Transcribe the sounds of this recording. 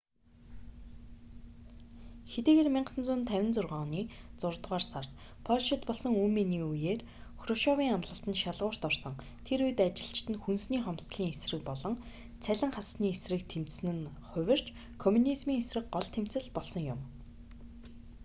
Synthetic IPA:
xet̪eːɣeːrmʲiɴɢsə̆nt͡sʊːnt̪ʰæwʲɪ̆nt͡sʊrʁɔːniːt͡sʊrt̪ʁaːrsart̪ | pʰɔrʃɪ̆t̪pɔɮsɞ̆ŋuːmːeniːujeːr | xrɔʃɔwiːŋamɮə̆ɬt̪ə̆nʃaɮʁʊːr̥t̪ɔrsɞ̆ŋ | t̪ʰeɾuj̆t̪at͡ɕɪ̆ɬt͡ɕt̪ɘ̆nxunsniːχɔmst̪ɮiːŋesrɘ̆k̚pɔɮɞ̆ŋ | t͡sʰæɮʲɪ̆ŋχasniːesrɘ̆k̚t̪ʰem̥t͡ssɘ̆nɘ̆n | χʊwʲɪ̆r̥t͡ɕ | kʰɔmunismiːŋesrɘ̆k̚ɢɔɮt̪ʰem̥t͡sɘ̆ɮpɔɮsɞ̆ŋjʊm

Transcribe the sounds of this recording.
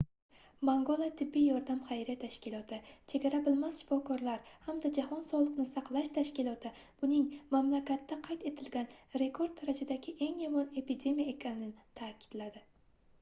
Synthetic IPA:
baŋɡolˠat̪ʰɪbːijjɒɾd̪amχajɾat̪ʰaʃkʲɪlˠɒt̪ʰɪt͡ʃʰe̞ɡʲaɾabɪlmasʃɪ̥fɒkʰɒɾlaɾhamd̪ad͡ʒahɒnsɒlˠɨqnɪsɑqlˠaʃt̪ʰaʃkʲɪlˠɒt̪ʰɪ | b̥ʊnɪŋmamlakʲat̪ːaqʰajt̪e̞t̪ʰɪlɡʲanɾe̞kʰo̞ɾd̪aɾad͡ʒad̪aɡʲɪʔe̞ŋjamɒne̞pid̪ʲe̞mijae̞kʲʰanɪnɪt̪ʰaːkʲɪ̥d̪̥lad̪ɪ

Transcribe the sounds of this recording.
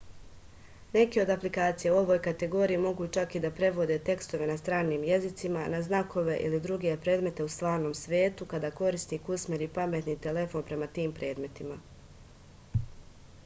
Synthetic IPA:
ne̞keo̞d̪aplikaːt̪sijeuo̞ʋojkat̪e̞ɡo̞ːɾiimo̞ɡuːt͡ʃakid̪apɾe̞ʋo̞d̪e̞t̪e̞kst̪o̞ʋe̞nast̪ɾaːniːmje̞zit̪simanaznako̞ʋe̞ʔḭlid̪ɾuɡe̞pɾe̞ːd̪me̞t̪e̞ust̪ʋaːɾno̞ːmsʋʲje̞ːt̪ukad̪aːko̞ɾist̪ikusmʲeɾipame̞t̪nit̪e̞le̞fo̞ːnpɾe̞mat̪iːmpɾe̞ːd̪me̞t̪ima

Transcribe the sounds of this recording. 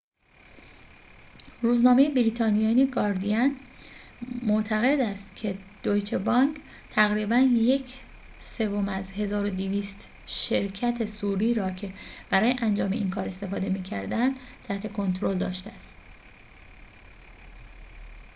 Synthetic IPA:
ɾuːznɒːme̞jebiɾiːt̪ʰɒːnijɒːneɡɒːɾd̪iæn | moʔt̪ʰæɣe̞d̪æst̪cʰe̞d̪̥ojt͡ʃʰebɒŋkʰ | t̪ʰæɣɾiːbænje̞cʰ | sevo̞mæzhe̞zɒːɾo̞d̪iviːst̪ | ʃe̞ɾcʰæt̪ʰe̞suːɾiːɾɒːcʰe̞b̥æɾɒːjeʔænd͡ʒɒːme̞ʔiːnkʰɒːɾe̞st̪e̞fɒːd̪e̞miːcʰæɾd̪ænd̪t̪ʰæht̪ʰe̞kʰo̞nt̪ʰɾo̞ld̪ɒːʃt̪eæst̪

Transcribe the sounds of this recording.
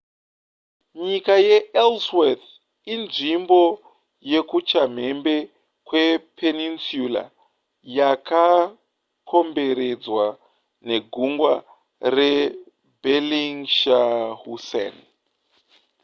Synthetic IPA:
ɲikajeelsweθ | inʐimbo̞ | je̞kut͡ʃam̤e̞mbe̞ | kwe̞pʰeninsjula̰ | jaka | kʰo̞mbe̞ɾe̞d͡zwa | ne̞ɡʱuŋɡwa | re | beliŋʃahusḛn

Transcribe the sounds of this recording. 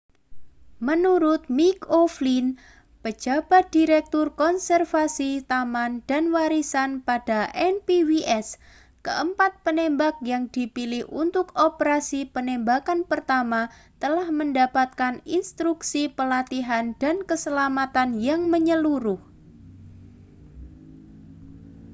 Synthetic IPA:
mənuɾʊt̪̚mikoflin | pə̥d͡ʒ̥a̤b̥a̤t̪̚d̥iɾɛk̚t̪ʊrkɔnsɛrfasit̪amand̥a̤nwaɾisanpad̥aʔɛnpiwiʔɛs | kəʔəmpat̪̚pənembak̚jaŋd̥ipilɪhʔṵnt̪ʊkopəɾasipənembakanpərt̪amat̪əlahməndapat̪̚kaninst̪ɾuksipəlat̪iɦand̥ankəsəlamat̪anjaŋməɲəluɾʊh

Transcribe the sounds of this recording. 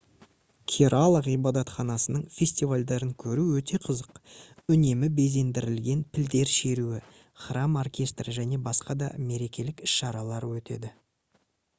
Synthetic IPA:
kʲʰiɾʔalˠəʁijbɑd̪ɑt̪χɑnɑsənəɴfʲe̞sʲt̪ivalʲd̪ɑɾəŋkʲʰɵɾuwɵt̪ʰe̞qʰəzəqʏne̞mɪbe̞ze̞nd̪ɪɾɪlɡʲe̞npʰɪld̪e̞ɾʃe̞ɾuɪ | χrɑmorkʲe̞st̪rəʒæne̞bɑsqɑd̪ɑ̰me̞ɾe̞kʲe̞lɪkɪʃːɑɾɑlˠɑɾwɵt̪e̞̰d̪ɪ

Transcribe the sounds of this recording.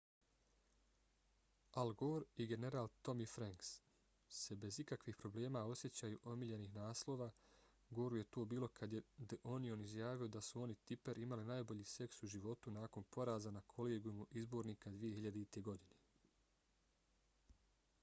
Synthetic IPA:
alɡoːɾiɡe̞ne̞ɾaːlˠt̪o̞mifɾaŋks | se̞be̞zikakʋiːxpɾo̞ble̞ːmao̞sje̞t͡ɕaːjuʔo̞miʎe̞niːxnaːslˠo̞ːʋaː | ɡo̞ːɾuje̞t̪oːbiːlo̞kʰad̪jed̪eʔo̞nio̞nizjaːʋio̞d̪asuo̞nit̪ipeɾʔimalinaːjbo̞ʎiːse̞ksuʒiʋo̞t̪unaːko̞npʰo̞ɾaːzanakʰo̞leːɡjumuʔizbo̞ːɾniːkad̪ʋije̞ɦiʎad̪eit̪e̞ɡo̞d̪ine

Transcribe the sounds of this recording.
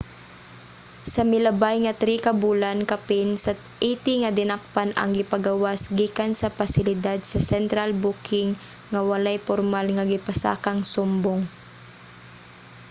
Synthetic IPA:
sɐmɪlɐbajŋɐt̪ɾikɐbuːlankɐpɪnsɐ | ʔiːt̪ɪŋɐd̪ɪnak̚panɐ̰ŋɡɪpɐɡawasɡiːkansɐpasɪlɪd̪ad̪sɐsɛnt̪ɾalbuːkɪŋː | ɐwɐlajpɔɾmalŋɐɡɪpasa̰ːkaŋsʊmboŋ

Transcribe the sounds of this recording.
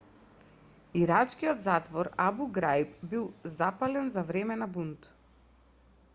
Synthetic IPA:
iɾat͡ʃkiɔd̪zat̪vɔɾabuɡɾajpbilˠzapalɛnzavɾɛmɛnabunt̪

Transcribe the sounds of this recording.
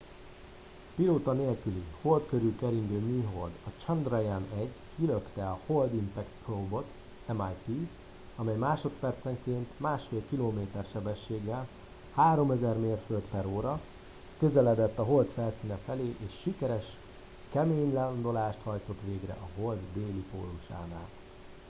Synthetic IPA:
piloːt̪ɒneːlkyliho̞lt̪køɾykɛɾiŋɡøːmiːɦo̞ld̪ɒt͡ʃɒnd̪rɑjanɛɟkʰiløkt̪ɛɒho̞ld̪imp̪ɛkt̪pʰrowbo̞t̪ | ɛmajpi | ɒmɛjmaːʃo̞t̪pɛrt̪sɛŋkeːnt̪maːʃfeːlkiloːmeːt̪ɛrʃɛbɛʃːeːɡːɛl | haːɾo̞mɛzɛrmeːrfølt̪pɛɾoːɾɒ | køzɛlɛd̪ɛt̪ːɒɦo̞lt̪fɛlsiːnɛfɛleːʔeːʃːikɛɾɛʃ | kɛmeːɲland̪o̞laːʃt̪hɒjt̪o̞t̪ʋeːɡrɛ̰ʔɒɦo̞ld̪ːeːlipo̰ːlːuʃa̰ːnaːl

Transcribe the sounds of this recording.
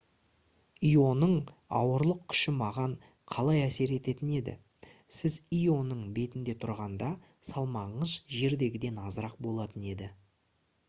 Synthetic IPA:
ijo̞nəɴɑ̰wəɾlˠəq̚kʲʰʏ̥ʃɪmɑʁɑɴ | qʰɑlˠɑjæse̞ɾe̞t̪e̞t̪ɪne̞d̪ɪ̰ | sɪzijo̞nəɴbe̞t̪ɪnd̪e̞t̪ʰʊɾʁɑnd̪ɑ | sɑlˠmɑɴəzʒe̞ɾd̪e̞ɡʲɪd̪e̞nɑzəɾɑq̚bo̞lˠɑt̪əne̞d̪ɪ

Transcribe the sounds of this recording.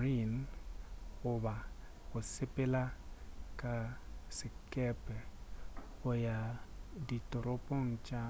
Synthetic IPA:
ɾin | ʊβa | ɣʊsɪpɛlakʼasɪkʼɛpɛ | ʊjaditɔɾopɔŋ̩t͡ʃʼa

